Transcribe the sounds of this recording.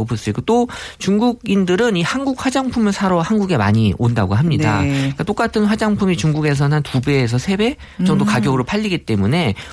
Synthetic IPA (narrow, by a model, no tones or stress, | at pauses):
opos͈ɯik͈ot͈ot͡ɕuŋɡuɡindɯɾɯnihanɡuk̚ɸwad͡ʑaŋpʰumɯɭsʰaɾʌhanɡuɡe̞ma̰ɲiondaɡoɦamɲida̰ik͈at͈ok͈atʰɯnɸwad͡ʑaŋpʰumit͡ɕuŋɡuɡe̞s̬ʰʌnɯntubeːs̬ʰʌsʰe̞be̞ | t͡ɕʌŋdokaɡjʌɡɯɾoɭpʰaʎːiɡit͈e̞mune̞